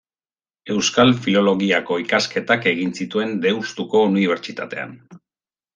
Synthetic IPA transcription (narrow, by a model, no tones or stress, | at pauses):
e̞wskalfilo̞lo̞ɣiako̞ikaske̞t̪ake̞ɣinsit̪ue̞nd̪e̞wst̪uko̞uniβ̞e̞ɾt͡ʃit̪at̪e̞̰a̰n